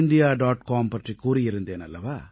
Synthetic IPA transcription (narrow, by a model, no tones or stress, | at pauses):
ɪɳɖɪjaːɖaːʈkaːmpɐʈrikːuːɾɪjɪɾɯnd̪eːnɐlːɐʋaː